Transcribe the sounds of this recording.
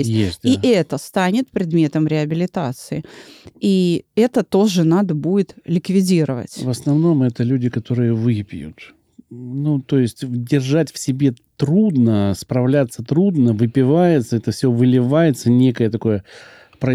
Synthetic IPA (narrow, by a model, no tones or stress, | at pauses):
sʲjesiʔɛt̪əst̪anʲɪt̪pɾʲɪd̪mʲe̞t̪əmɾʲɪɐbʲɪlʲɪt̪at̪sɨɪiɛt̪ət̪o̞ʐɨnad̪əbudʲɪt̪lʲɪkvʲɪdʲiɾəvə̰tʲvəsnɐvno̞mɛt̪əlʲʉdʲɪkɐt̪o̞ɾɨjəvɨpʲjṵt̪ | nut̪o̞jɪsʲtʲdʲɪrʐatʲfsʲɪbʲe̞t̪ɾud̪nəspɾɐvlʲat̪sːət̪ɾud̪nəvɨpʲɪvajɪt̪səɛt̪əfsʲovɨlʲɪvajɪt̪sənʲekəjət̪ɐko̞jə | pɾə